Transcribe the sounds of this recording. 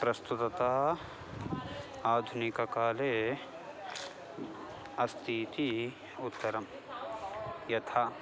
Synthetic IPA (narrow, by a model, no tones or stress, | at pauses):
pɾɐst̪ut̪ɐt̪aː | aːd̪ʱʊnikɐkaːleː | ɐst̪ʰiːt̪i | ʊt̪ːɐɾɐm | jɐt̪ʰa